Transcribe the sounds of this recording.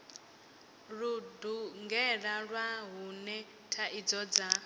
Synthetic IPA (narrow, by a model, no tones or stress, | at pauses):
ɺuduŋɡɛɺaɺwaɦunɛ | tʰaʔid͡zɔd͡za